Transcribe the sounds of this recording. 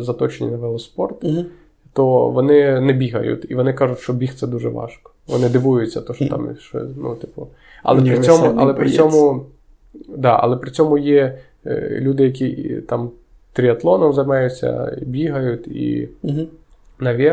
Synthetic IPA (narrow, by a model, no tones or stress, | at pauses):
zɐt̪ɔt͡ʃenʲḭnɐʋɛlˠɔspɔrt̪ | t̪ɔʋɔnɪnɛbʲiɦɐ̰jʊ̰t̪ʲiʋɔnɪkɑʒʊtʲʃt͡ʃɔbʲixt̪sɛd̪uʒɛʋɑ̰ʃkɔ̥ʋɔ̰nɪd̪ɪʋujʊt͡sʲːɐt̪ɔʃɔt̪ɑ̰mʃt͡ʃɔ̰nṵt̪ɪpʊ | ɐ̰lˠɛpɾɪsʲɔmʊɐ̰lˠɛpɾɪɔmʊ | d̪ɑɐ̰lˠɛpɾɪt͡sʲɔmʊjɛ | lʲud̪ɪjɐkʲit̪ɑm | t̪ɾʲiɐt̪lˠɔnɔmzɐjmɑjʊt͡sʲːɐ̰ḭbʲiɦɐjʊt̪ʲḭ | nɐʋʲɛ